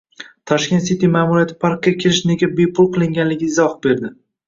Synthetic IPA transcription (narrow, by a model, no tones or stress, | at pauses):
t̪ʰɒʃkʲe̞nt̪sit̪ijmaːmuɾijat̪ʰɪ̥pʰaɾk̚kʲːakʲʰeɾɪʃne̞ɡʲabe̞pʰʊlˠqʰɨlˠɪŋɡʲanlɪɡʲɪɪzɒhbe̞ɾd̪ɪ